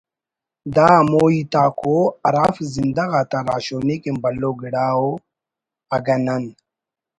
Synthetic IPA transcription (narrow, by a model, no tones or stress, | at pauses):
d̪aːmoːit̪aːkoɐɾafzind̪ɐɣat̪aɾaːɕoːnekimbɐlːoɡiɽaːo | ɐɡɐnɐn